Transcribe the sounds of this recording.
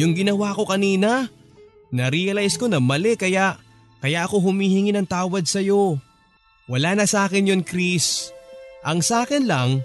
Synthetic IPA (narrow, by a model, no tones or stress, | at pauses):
jʊŋɡɪnɐwako̞kɐniːnɐ | nɐɾiɐlajsko̞nɐmɐlɛkɐjaʔ | kɐjaʔɐko̞ɦʊmihɪŋɪnɐŋt̪aːwɐd̪̚sɐjo̞ | wɐlaːnɐsɐaːkɪnjonkɾis | ʔɐŋsaːkɪnlɐŋ